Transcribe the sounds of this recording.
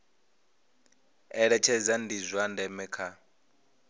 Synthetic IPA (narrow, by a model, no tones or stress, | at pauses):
ɛɺɛt͡ʃʰɛzandizʷandɛmɛkʰa